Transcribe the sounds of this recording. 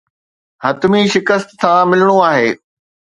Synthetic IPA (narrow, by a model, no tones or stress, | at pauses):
hɐt̪miʃɪkəst̪sãmɪləɽ̃oaːɦeː